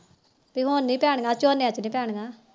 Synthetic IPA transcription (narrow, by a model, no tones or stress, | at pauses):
piːɦonnĩːpɛːɽ̃ŋɡaːt͡ʃoːneat͡ʃnĩːpɛːɽ̃ɡaː